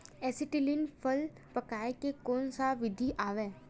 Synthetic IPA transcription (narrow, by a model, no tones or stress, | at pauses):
ɛsɪʈilinpʰəl | pəkaːekekɔːnsaʋɪd̪ʱiʔaːʋeː